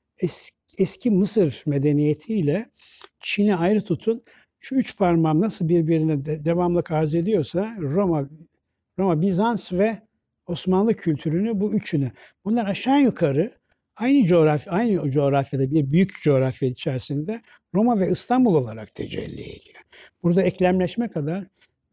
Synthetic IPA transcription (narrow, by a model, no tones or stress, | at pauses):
ɛs | ɛscʰimɯsɯɾme̞d̪e̞nijet̪ʰiːlʲɛ | t͡ʃʰinɛajɾɯt̪ʰut̪ʰun | ʃuyt͡ʃpʰaɾmamnasɯlˠbiɾbiɾinɛd̪e̞vamlˠɯkaɾze̞d̪ijo̞ɾsaɾoma | ɾo̞mabizansvɛ | o̞smanlˠɯcʰylʲt̪ʰyɾynybuyt͡ʃʰyny | b̥unlˠaɾaʃanjukʰaɾɯ | ajnɯd͡ʒo̞ːɾafjajnɯd͡ʒo̞ːɾafjad̪abiɾbyjycd͡ʒo̞ːɾafjait͡ʃʰæɾsind̪ɛ | ɾo̞mavɛɯst̪ʰanbulˠo̞lˠaɾak̚t̪ʰe̞̰d͡ʒɛ̰lʲːḭḛd̪ʲijøb̥uɾd̪aɛclʲæmlʲɛʃmɛkʰad̪aɾ̥